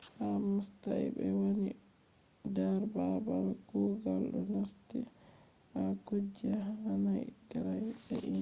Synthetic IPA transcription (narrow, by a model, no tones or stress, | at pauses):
hamusta̰jbɛwoni | daɾbabawɛkuɡalɗṵnostḭ | ʔakod͡ʒːiaanajɡaɾajbɛʔi